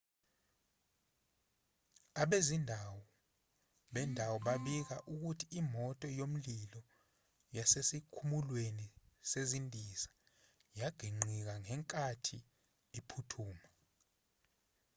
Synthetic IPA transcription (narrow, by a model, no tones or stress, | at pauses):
aɓezindʱawɔ | ɓɛndʱawɔɓaɓik̬aʔuk̬utʰiimɔtʼɔjom̩lilɔ | jasesikʰumulwenisezindʱiza | jaɡ̥ʱiŋ͡ǀik̬aŋɛŋkʼatʰi | epʰutʰuːma